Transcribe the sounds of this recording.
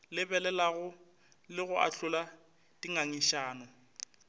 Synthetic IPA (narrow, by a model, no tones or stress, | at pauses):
lɪbɛlɛlaɣʊ | lɪɣʊa̰ɬʊla | tiŋaŋiʃaːnɔ